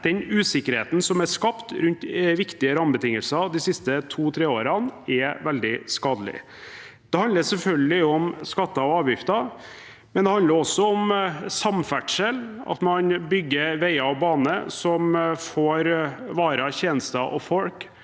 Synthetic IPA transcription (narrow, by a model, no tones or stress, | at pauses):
d̪̥ɛnʉːsɪkːəɾhḛːt̪n̩sɔmæʂkɑpt̪ɾʉnt̪ʋɪkt̪ɪəɾɑmbət̪ʰɪŋːəlsɑd̪ɪsɪst̪ət̪ʰuːt̪ʰɾeːoːɾɑnɛʋɛld̪ɪskɑːd̪əlɪ̰ | d̪̥ɛhɑnd̪əsɛlfœlɡəlɪɔmskɑt̪ːɑɔɑːʋjɪft̪ɑ | mɛnd̪ɛhɑnd̪əɾɔsːɔɔmsɑmfæʈʂəlɑ̰t̪mɑnbʏɡːəɾʋæɪɑɔbɑːnəsɔmfoːɾʋɑːɾəçeːnəst̪ɑʔɔfɔlk